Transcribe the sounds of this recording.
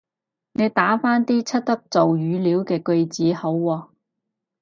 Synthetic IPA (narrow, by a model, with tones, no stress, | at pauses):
ne˨˧jt̪aː˨˥faː˥nt̪iː˥t͡sʰɐ˥t̚t̪ɐ˥k̚t͡so˨wjyː˨˧˥liː˨˥wkɛː˧kɵ˧ɥt͡siː˨˥ho˨˥wːɔː˧